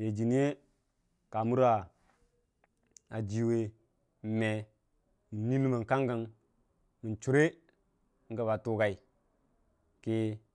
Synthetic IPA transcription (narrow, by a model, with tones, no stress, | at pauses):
je˨d͡ʒi˨ni˦e˦ | ka˨mu˦ɾa˨ | a˨d͡ʒi˨we˨ | me˨ | mi˨nːi˦lu˦ma˨ŋka˦ŋɡa˨ŋ | mi˨nt͡ʃu˨˦ɾe˦ | ŋ̩˦ɡa˨ba˨tu˦ka˨i˨ | ki˦